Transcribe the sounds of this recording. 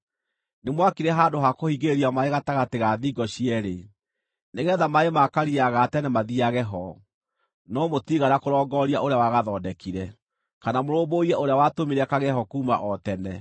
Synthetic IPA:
nemwakiɾɛɦaːndoɦakohiɡeɾiamaeɣataɣateɣaðiːɡɔɕiɛɾe | neɣɛːðamaemakaɾiaɣatɛnɛmaðiaɣɛɦɔ | nɔmotiɣaɾakoɾɔːɡɔɾiaʔoɾejawaɣaðɔːdɛkiɾɛ | kanamoɾoːboiɾɛoɾeawatomiɾɛkaɣɛhɔkuːma̰ʔɔtɛnɛ

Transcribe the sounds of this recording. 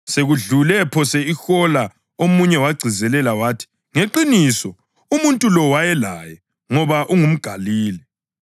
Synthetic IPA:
seɣuɮulɛpʰɔsɛixɔla | omuɲɛwaɡ͡ǀʱizɛlɛlawaːtʰi̥ | ŋeǃinisɔ | umuntʼulɔwajɛla̰jɛ | ŋɔβaʔuŋum̩ɡ̥ʱaliːlɛ

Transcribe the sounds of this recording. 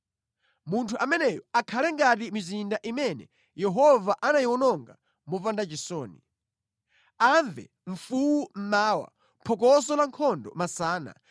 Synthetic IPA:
muntʰuʔamɛnɛjɔakʰalɛŋɡatimizindaʔimɛnɛ̰ | jɛɦɔvaʔanajiwɔnɔŋɡa | mɔvandat͡ʃisɔːni | aɱvɛ̰ | ɱ̩fuwum̩maːwa̰ | pʰɔk̬ɔs̬ɔlaŋkʰɔndɔ̰masaːna̰

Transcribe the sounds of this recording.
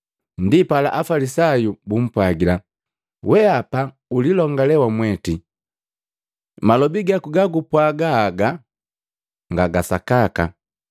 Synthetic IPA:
ndipala̰ʔafalisajubum̩pwaɡila | wɛapa | ulilɔŋɡalɛwamwɛti | malɔbiɡakuɡaɡupwaɡaːɡa | ŋɡaɡasakaka

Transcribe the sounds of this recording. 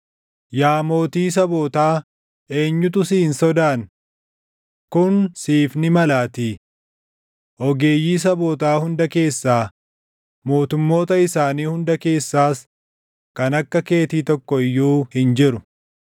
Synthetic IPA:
jaːmo̞ːt̪iːs̬ɐboːt̪aː | e̞ːɲːʊt̪̬ʊsiːnsɔd̪aːn | kʊnsiːfnɪmɐlaːt̪i | ʔɔɡe̞ːjːiːs̬ɐboːt̪aːhʊnd̪ɐke̞ːsːaː | mo̞ːt̪ʊmːo̞ːt̪ɐɪsaːniːhʊnd̪ɐke̞ːsːaːs | kɐnɐkːɐke̞ːt̪iːt̪ɔkːɔɪjːuːhɪnd͡ʒɪɾʊ

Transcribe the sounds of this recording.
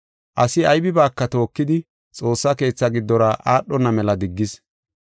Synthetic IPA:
ʔɐsɪɐjbɪbaːkːɐt̪o̞ːkːɪd̪ɪ | t͡sʼo̞ːsːɐke̞ːt͡sːɐɡɪd̪ːɔɾɐʔaːɗːɔnːɐmɛlɐd̪ɪɡːɪs

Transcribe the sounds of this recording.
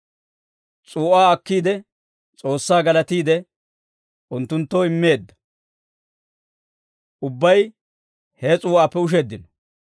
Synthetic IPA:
t͡sʼuːʔaːɐkːiːd̪ɛ | t͡sʼo̞ːsːaːɡɐlɐt̪iːd̪ɛ | ʔʊnt̪ːʊnt̪ːoːɪmːe̞ːd̪ːɐ̥ | ʔʊbːɐj | hɛt͡sʼuːʔaːpːɛʊʃ̬ɛd̪ːɪnɔ̥

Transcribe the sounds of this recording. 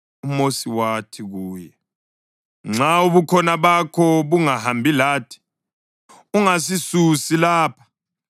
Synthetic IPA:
umosiwatʰiɣuːjɛ | ŋ͡ǀauβukʰɔnaβakʰɔβuŋaɦambʱilaːtʰi̥ | uŋasisusilaːpʰḁ

